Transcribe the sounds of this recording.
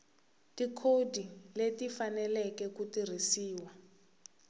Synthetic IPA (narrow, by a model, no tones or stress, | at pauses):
tikʰodiletifanɛlɛkɛkutir̤isiːwa